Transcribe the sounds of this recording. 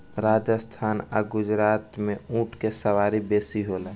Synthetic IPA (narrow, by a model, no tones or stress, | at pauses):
ɾaːd͡ʒəst̪ʰaːna̰ɡʊd͡ʒɾaːt̪mẽũːʈʰkesəwaːɾibeːsiɦoːlaː